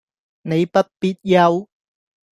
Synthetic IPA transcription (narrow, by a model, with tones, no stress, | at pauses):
ne˨˧jpɐ˥t̚piː˧t̚jɐ˧w